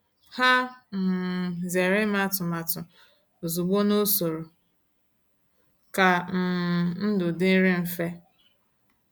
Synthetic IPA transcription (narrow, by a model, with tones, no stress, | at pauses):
ha˦m̩˨ze˨ɾɪ˦ma˦tʊ˨ma˨tʊ˨ | o˨zu˨ɡ͡bo˦no˦so˨ɾo˨ | ka˨m̩˨n̩˦dʊ˨dɪ˦ɾɪ˦m̩˦fe˦